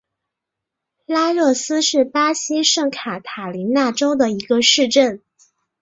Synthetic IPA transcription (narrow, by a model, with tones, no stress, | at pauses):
la˥ɻɤ˥˩sɹ̩˥ʂɻ̩˥˩pa˥ɕi˥ʂɤ˥˩ŋkʰa˨˩t̪ʰa˨˩li˧˥na˥˩ʈ͡ʂo˥ʊd̪ə˨i˧˥ɡə˧ʂɻ̩˥˧ʈ͡ʂə˥˩n